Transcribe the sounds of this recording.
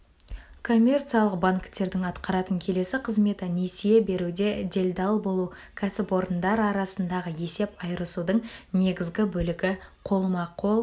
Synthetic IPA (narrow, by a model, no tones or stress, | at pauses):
kʰo̞mʲːe̞rt̪sijalˠəqbaŋkt̪ːe̞ɾd̪ɪŋɑt̪qɑɾɑt̪əŋkʲʰe̞le̞sɪqʰəzme̞t̪əne̞sijebe̞ɾud̪e̞d̪ʲe̞lʲd̪ɑlˠbo̞lˠukʲʰæsɪpo̞ɾənd̪ɑɾɑɾɑsənd̪ɑʁəje̞se̞pɑjɾəsud̪əɴne̞ɡʲɪzɡʲɪbɵlɪɡʲɪqʰo̞lˠmɑqʰːo̞lˠ